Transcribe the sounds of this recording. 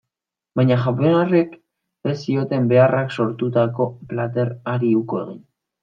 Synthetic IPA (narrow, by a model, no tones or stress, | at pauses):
baɲaxaponare̞k | esio̞t̪e̞mbe̞arakso̞ɾt̪ut̪ako̞plat̪e̞ɾaɾiuko̞e̞ɣin